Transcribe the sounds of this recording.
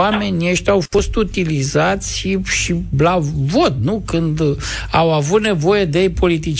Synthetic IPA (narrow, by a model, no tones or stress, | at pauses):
ame̞nʲeʃt̪ʲawfo̞st̪ut̪ilizat̪sʲʃiʃilavo̞t̪nukɨnd̪ | awavut̪ne̞vo̞je̞d̪ejpo̞lit̪it͡ʃ